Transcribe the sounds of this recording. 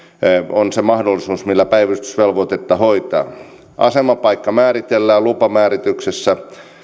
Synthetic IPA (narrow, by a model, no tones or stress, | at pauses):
onsemɑhdolːisuːsmilːæpæiʋæst̪y̥sʋelʋot̪et̪ːɑhoit̪ɑ̰ː | ʔɑ̰semɑpɑikːɑmæːrit̪elːæːlupɑmæːrit̪yksesːæ